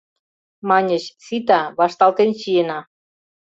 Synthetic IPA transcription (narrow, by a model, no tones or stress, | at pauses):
mɑnʲəɕsit̪ɑβɑʃt̪ɑlt̪enɕijenɑ